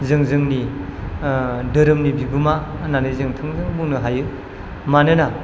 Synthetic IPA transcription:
zɯŋzɯŋni | dɯɾɯmnibiɡumananɯjzɯŋtʰɯŋzɯŋbuŋnɯɦajɯ | manɯna

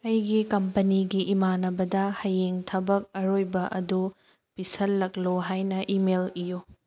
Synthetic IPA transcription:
ɐjɡikɐmpɐniɡiʔːmanɐbɐdɐhɐjeŋtʰɐbɐk̚ɐɾojbɐʔɐdu | pisɐlːɐkloɦajnɐʔimelijo

